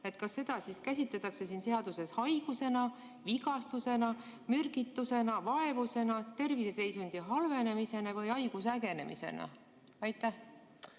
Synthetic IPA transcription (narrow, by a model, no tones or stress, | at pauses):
e̞t̪kɑsːe̞d̪̥ɑsiskæsʲit̪let̪ːˑɑkse̞siːnse̞ɑd̪̥use̞shɑjɡ̥use̞nɑ | viɡɑst̪use̞nɑ | myrɡ̥it̪ːuse̞nɑvɑevuse̞nɑt̪e̞rvise̞se̞jsund̪̥iɦɑlve̞ne̞mise̞nevɤjɑjɡ̥usæɡe̞ne̞̰mʔḭse̞̰nɑ̰ | ɑjt̪ːˑæh